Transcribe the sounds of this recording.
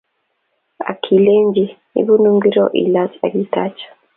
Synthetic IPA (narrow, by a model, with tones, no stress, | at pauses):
a̰˨kʰi˨leː˦ɲɟinḭβu˦nuː˦ŋɡi˦ɾo̰ʔḭ˨lasa̰˨ɡi˦ta˨t͡ʃḁ